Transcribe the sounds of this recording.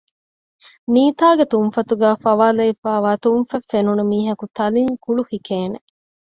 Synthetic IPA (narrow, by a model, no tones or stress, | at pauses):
niːt̪aːɡet̪umfɐt̪uɡæːfɐʋaːlɐifæːʋaːt̪umfɐfːenunumiːɦɐkut̪ɐliŋkuɭuhikeːne